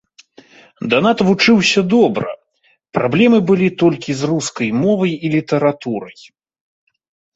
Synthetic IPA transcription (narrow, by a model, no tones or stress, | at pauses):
d̪ɐnat̪vut͡ʂɨwsʲɐd̪ɔbɾɐ̰ | pɾablʲɛmɨbɨlʲit̪ɔlʲkʲizruskɐjmɔvɐjilʲit̪ɐɾat̪uɾɐj